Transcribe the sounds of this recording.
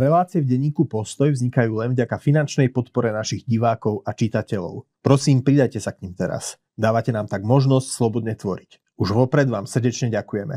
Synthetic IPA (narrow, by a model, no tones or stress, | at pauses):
ɾɛlaːt͡siɛvɟɛɲiːkupɔst̪ɔjvzɲikajuːlɛnvɟakafinant͡ʃnɛjpɔt̪pɔɾɛnaʃiɣɟiʋaːkɔʊʔat͡ʃit̪acɛʎɔ̰ʊpɾɔsiːmpɾid̪ajcɛsakɲimt̪ɛɾa̰s | d̪aːʋacɛnaːmt̪aɡmɔʒnɔscslˠɔbɔd̪ɲɛt̪ʋɔɾic | uʒʋɔpɾɛd̪ʋaːmsr̩ɟɛt͡ʃɲɛɟakujɛmɛ̰